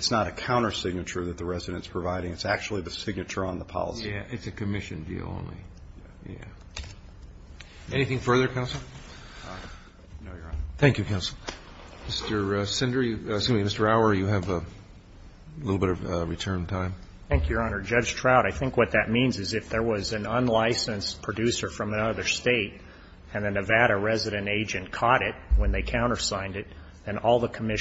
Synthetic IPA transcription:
ɨtsnəɾɨkʰãʊ̃ɾ̃ə˞sɪɡ̚nɨt͡ʃə˞ðɨt̪̚ðəɹɛzɨɾɨ̃ntspʰɹ̥ɨvaɪɾɪ̃ŋɨtsæk̚t͡ʃul̩ˠiðɨsɪɡ̚nɨt͡ʃə˞ə̃nðəpʰɑ̰lˠə̰sæʔɨtsɨkʰɨmɪʃɨ̰̃ndḭlˠõ̰ʊ̃nlḭ | jæ̰ | ɛniθɪ̃ŋfɜ˞ðə˞kʰãʊ̃nsl̩ˠ | noʊjə˞θæ̃ŋkjʉkʰãʊ̃nsl̩ˠ | mɪstə˞sɪ̃ndɹisɪ̃imɪstə˞aʊə˞jɨɨvə | lɪɾl̩ˠbɪɾʌvɹitʰɜ̃˞ntʰãɪ̃m | θæ̃ŋkjɨ˞ɑnə˞d͡ʒʌ̥d͡ʒ̥tʰɹ̥aʊɾaɪθɪ̃ŋkwʌt̪̚ðɨt̚mĩnzɨzɨfðə˞wʌzɨ̃nə̃nlaɪsɨ̃nspʰɹ̥ɨdʉsə˞fɹʌ̃mɨnʌðə˞steɪɾ | ɨ̃nðɨnɨvæɾɨɹɛzɨɾɨ̃neɪd͡ʒɨ̃nkʰɔɾɪt̚wə̃nðeɪkʰãʊ̃ɾ̃ə˞sãɪ̃ndɨt̪̚ | ðɨ̃nɔlˠðəkʰəmɪ

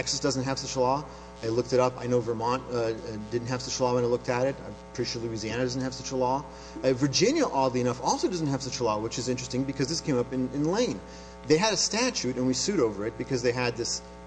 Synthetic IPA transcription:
ɛksɨsd̥ʌzn̩t̚ɦɨv̥sʌt͡ʃəlɔ | ɪlʊk̚tɨɾʌpa̰ɪnoʊvə˞mɑ̃ntdɪdⁿn̩t̚ɦɨv̥sʌt͡ʃəlɔwə̃nɨtˡlʊk̚tɨɾɨt̚aɪpʰɹ̥iʃlʉiziæñɨdʌzn̩t̚hɨv̥sʌt͡ʃəlɔ | və˞d͡ʒɪ̃njəʔɔdˡliɨnʌfɔlˠsoʊdʌzn̩tɦɨv̥sʌt͡ʃəlɔwət͡ʃɨzɪ̃nt͡ʃɹ̥ɨstɪ̃ŋbɨkʰʌzðɪskʰẽɪ̃mʌpɨ̃nɪ̃nlẽɪ̃n | ðeɪɨɾɨstæt͡ʃʉɾɨ̃nwisʉɾoʊvə˞ɨt̚b̥ɨkʰʌzðeɪɨd̪̚ðɪs

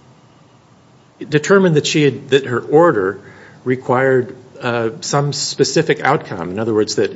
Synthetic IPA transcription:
d̥ɨtʰɜ˞mɨ̃nðɨtʃiɨd̪̚ðɨt̚hə˞ʔɔɹɾə˞ | ɹɨkʰw̥aɪə˞d | sʌ̃mspɨsɪfɨka̰ʊt̚kʰʌ̰̃mɨ̃nʌðə˞wɜ˞dzðɨt̚

